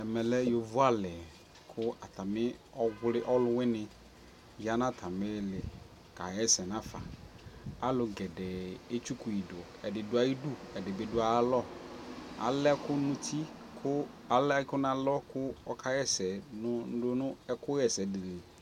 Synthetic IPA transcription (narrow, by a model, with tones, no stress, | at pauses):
ɛ˨mɛ˨lɛ˦jo˨vʊ˦a˦lɛ˨ | kʰʊ˦a˨ta˨mɪ˦ɔ˦ɡʷlɪ˦ʔɔ˦lʊ˦wɪ˦nɪ˨ | ja˦nã˦tʰa˨mɪ˦lɪ˨ | ka˨ɣɛ˦sɛ˨nã˦fa̰˨ | a˦lʊ˨ɡɛ˨dɛ˨e˦t͡ʃu˦ku˨ji˨dʊ˨ɔ˨ɛ˨dɪ˨dʊ˨˦a˨ji˦du˦ɛ˨dɪ˨bɪ˨dʊ˦a˨˦lɔ˦ | a̰˨lɛ˦kʊ˦nʊ̃˦t̪ʰi˦ | kʰʊ˦ | a˨lkʊ˦nã˨lɔ˦kʊ˦ɔ˦kʰa˨˦ɣɛ˦sɛ˨nʊ˦n̩˦dʊ˦nʊ̃˦ɛ˦kʊ˦ɣɛ˨sɛ˨dɪ˨lɪ˨